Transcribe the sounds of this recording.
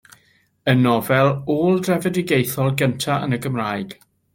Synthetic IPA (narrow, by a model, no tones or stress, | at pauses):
ənɔvɛlˠoːlˠdrɛvədɪɡejθɔlˠɡəntʰaʔə̰nəɡəmraːjɡ̥